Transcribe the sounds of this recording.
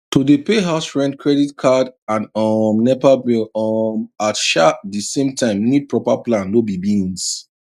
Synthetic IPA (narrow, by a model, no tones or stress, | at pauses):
tudəpeɦaʊsɹɛ̃ntkʰɹɛditkʰadãnɔmnɛvabiɔmatʃadəsẽmtʰãɪ̃mnid̚pɹɔpaplãnːobibĩns